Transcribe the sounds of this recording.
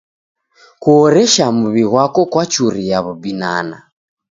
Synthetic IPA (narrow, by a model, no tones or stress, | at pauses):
kuɔɾɛʃamuβiɣwakɔkwat͡ʃuɾijaβubina̰na̰